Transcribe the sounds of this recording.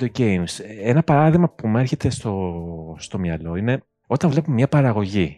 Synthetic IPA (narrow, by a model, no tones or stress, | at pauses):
oɟejmsenɐpɐɾɐðiɣmɐpume̞ɾçe̞t̪e̞st̪o̞st̪o̞mɲɐlo̞ine̞ | o̞t̪ɐɱvle̞pumemɲɐpɐɾɐɣo̞ʝi